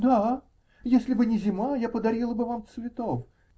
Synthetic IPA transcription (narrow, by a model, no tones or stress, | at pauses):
d̪a | jesʲlʲɪbɨnʲɪzʲɪmajapəd̪ɐɾʲilˠəbɨvamt̪svʲɪt̪of